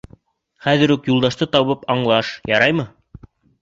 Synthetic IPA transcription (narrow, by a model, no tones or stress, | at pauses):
χæðɘ̆ɾʉkjulˠd̪ɑʃt̪ɤt̪ɑβɤpɑɴlˠɑʃjɑɾɑjmɤ